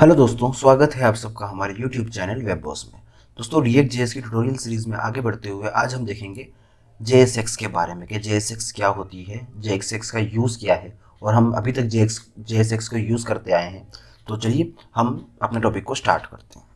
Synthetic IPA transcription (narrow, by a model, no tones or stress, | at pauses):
hɛlod̪oːst̪õswaːɡət̪ɦɛaːpsɐb̚kaɦɐmaːɾejuːʈjuːb̚t͡ʃɛːnəlʋeːbːɔ̰ːsmḛ̃ | d̪̥oːst̪õɾieːʈ̚d͡ʒeːeskiʈuʈoːɾijəlsiːɾiːzmẽʔa̰ːɡebɐɽt̪eɦʊeʔaːd͡ʒɦɐmd̪eːkʰẽːŋɡe | d͡ʒeːesekskeba̰ːɾemẽked͡ʒeːesekskjaɦoːt̪iɦɛd͡ʒeːksekskajuːzkijaɦɛ | ɔːɾɦɐmɐ̰bʱit̪ɐk̚d͡ʒeːksd͡ʒeːes̬ekskojuːzkɐɾt̪eaːeɦɛ̃ | t̪ot͡ʃɐɦiehɐmɐpneʈɔːpɪkːosʈa̰ːɾʈkɐɾt̪eɦɛ̃ː